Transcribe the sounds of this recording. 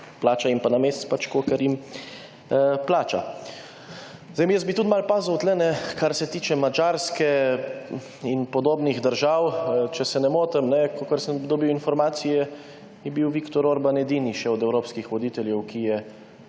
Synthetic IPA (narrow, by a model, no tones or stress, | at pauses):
plaːt͡ʃaimpanameːst͡s̪pat͡ʃkoːkəɾim | plaːt͡ʃa̰ | zajmijəsbit̪ut̪malpaːzuwt̪lɛnɛkaɾsɛt̪iːt͡ʃɛmad͡ʒaːɾskɛ | inpɔd̪oːbniɣd̪əɾʒawt͡ʃɛsɛnɛmoːt̪əmnɛkokəɾsəmd̪ɔbiwinfɔɾmaːt̪sijɛ | jɛbiwʋikt̪ɔɾoːɾbanɛd̪iːniʃɛɔd̪ɛwɾoːpskixʋɔd̪iːt̪ɛljɛwkʰijɛ